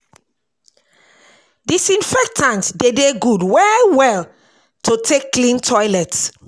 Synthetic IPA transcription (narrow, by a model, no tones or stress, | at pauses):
disĩnfɛk̚tʰãntdedeɡudwɛwɛl | tʰotʰekːlĩntʰɔjlɛt